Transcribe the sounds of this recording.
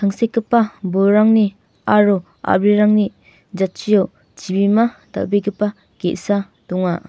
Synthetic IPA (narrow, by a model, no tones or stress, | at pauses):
tʰaŋsekːipːaboɾaŋni | aɾu | a̰bɾiɾaŋni | d͡ʒat̚t͡ʃijow | t͡ʃibimada̰beɡipːa | ɡ̥eʔsa | dɔŋa